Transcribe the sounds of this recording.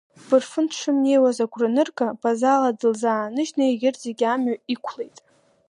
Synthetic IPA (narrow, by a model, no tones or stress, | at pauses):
b̥ɨrfɨnʰʈ͡ʂʰɨmne̞jwazaɡʷʰʼrɨnɨrkʰʼabʼazaladɨlzaːnɨʒnaeɡʲɪrd͡zeɡʲamɥaikʷʰle̞jtʼ